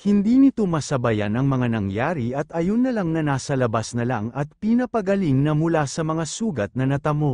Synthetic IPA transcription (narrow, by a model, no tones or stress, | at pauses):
hɪnd̪iːnɪt̪o̞mɐsɐbɐja̰nɐŋmɐŋanɐŋjaːɾiʔɐt̪ʔɐjonːɐlaŋnɐnaːsɐlɐbasnɐlaŋɐt̪̚pinɐpɐɡɐliŋnɐmʊlasɐmɐŋasuːɡɐt̪̚nɐnɐt̪ɐmo̞